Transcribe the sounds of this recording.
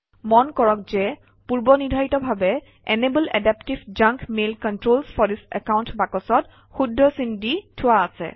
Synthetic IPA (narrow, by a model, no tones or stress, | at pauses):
mɔnkɔɹɔk̚zɛ | puɹbɔnidʱaitɔbʱabɛ | ɛnebəlɛ̰dɛptibd͡ʒaŋkmelkɔntɹolsfʰɔdisɛ̰kawntbakɔsɔt | xudʱːɔsinditʰʊwaːsɛ̰